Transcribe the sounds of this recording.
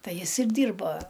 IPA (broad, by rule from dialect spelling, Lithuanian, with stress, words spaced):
ˈtɐɪ ˈjɪs ɪr ˈdʲiːrbɐ